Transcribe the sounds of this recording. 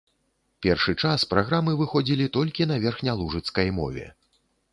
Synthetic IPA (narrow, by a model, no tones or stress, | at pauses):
pʲɛrʂɨt͡ʂaspɾaɣɾamɨvɨxɔd͡zʲilʲit̪ɔlʲkʲin̪ɐvʲɛrxnʲɐlˠuʐɨt̪skɐjmɔ̰vʲɛ̰